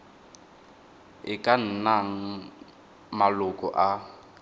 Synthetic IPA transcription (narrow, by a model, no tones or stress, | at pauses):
ɪkʼan̩naŋ̩ | malʊkʼɔʔa